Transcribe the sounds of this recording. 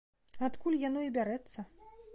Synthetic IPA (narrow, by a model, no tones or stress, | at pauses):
at̪kulʲjanɔibʲaɾɛt̪sːɐ